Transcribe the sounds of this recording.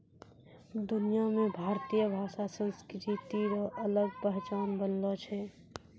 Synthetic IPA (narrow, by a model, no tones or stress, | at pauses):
d̪ʊnijamẽbʱaːɾt̪ijəbʱaːʃasə̃nskɾɪtɾit̪iɾɔʔɐləɡ̚pɛɦt͡ʃaːnbənlot͡ʃʰɛː